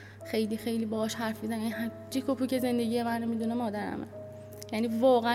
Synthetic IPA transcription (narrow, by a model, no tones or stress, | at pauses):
xe̞jliːxe̞jliːbɒhɒːʃɦæɾfmizænjæniɦæ | d͡ʒikʰopʰuːcʰe̞ze̞nd̪e̞ɟiːjemænːemid̪unemɒːd̪æɾæ̰mḛ | jæniːvɒːɣææ